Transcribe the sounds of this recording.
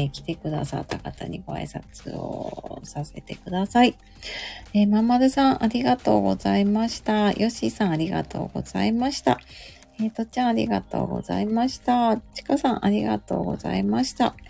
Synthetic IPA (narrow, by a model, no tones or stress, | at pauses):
ekʲi̥t̪e̞kɯ̟d̪asa̰t̪ːakat̪aɲ̟iɡo̞a̰isat͡sɨo̰sase̞t̪e̞kɯ̟d̪asai | emamad̪ɯsãɰ̃ʔaɾʲiɡat̪o̞ːɡo̞zaimaɕi̥t̪ajʔo̞ɕisãɰ̃aɾʲiɡa̰t̪o̞̰ːɡo̞̰z̥aimaɕi̥t̪a | et̪ot͡ɕiãaɾʲḭɡat̪o̞̰ːɡo̞za̰imaɕi̥t̪at͡ɕi̥kasãɰ̃ʔaɾʲiɡat̪o̞ːɡo̞̰za̰imaɕi̥t̪a